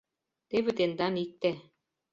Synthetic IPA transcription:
t̪eβɘ̆t̪end̪ɑnik̚t̪ːe

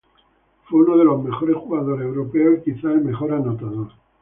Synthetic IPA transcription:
fweunoð̞e̞lo̞zme̞xo̞ɾesxuɣaðo̞ɾe̞wɾopeokiθaelme̞xo̞ɾanot̪aðo̞ɾ

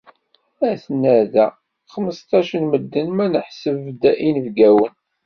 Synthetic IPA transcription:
æθənːæðæ̰ | χəməst̪ɑʃənməd̪ːənmænəħsəvd̪æʔinəvɡæwən

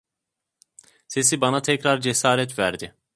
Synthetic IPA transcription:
se̞sibanat̪ʰɛcɾaɾd͡ʒesaːɾɛt̪væɾd̪ɪ

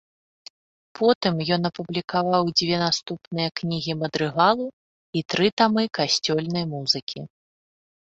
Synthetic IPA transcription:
pʰɔt̪ɨmjɔnɐpublʲikavawd͡zʲvʲɛnast̪upnɨjɐknʲiɣʲimɐd̪ɾɨɣalˠu | it̪ɾɨt̪amɨkasʲt͡sʲɔlʲnɐjmuzɨkʲʰi

